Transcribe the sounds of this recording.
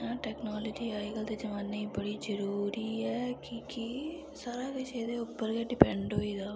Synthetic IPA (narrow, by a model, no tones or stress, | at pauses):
ãːʈɛːknaːləːd͡ʒiːaːikəld̪eːd͡ʒəʋaːnːeibəɽiːd͡ʒəɾuːɾiːɛːkikɪ | saːɾaːkeʃeːd̪eːʊpːəɾɡeːɖɪpɛ̃ɳɖɦoːiːd̪aː